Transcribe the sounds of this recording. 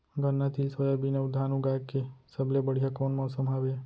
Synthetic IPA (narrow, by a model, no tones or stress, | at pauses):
ɡənːat̪ʰilsʋəjabinəʋd̪ʱanũɡajkesəblebəɽ̤ijakonmɔsəmaʋe